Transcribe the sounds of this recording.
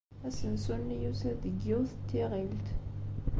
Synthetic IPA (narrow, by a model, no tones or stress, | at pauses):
æsənsunːijusæðəɡːiwθt̪ːiʁilt̪